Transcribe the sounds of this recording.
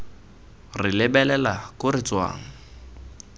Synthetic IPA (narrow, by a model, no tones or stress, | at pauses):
rɪlɪbɛlɛlakʊrɪt͡swa̰ːŋ̩